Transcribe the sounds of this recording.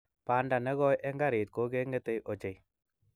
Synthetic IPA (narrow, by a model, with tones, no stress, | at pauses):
pa˨nda˨nɛ˦ɣɔ˦jʔɛ˦ŋɡa˦ɾe˨t̚ko˨˦ke˦ŋɡe˦te˦jʔo˨t͡ʃe˨j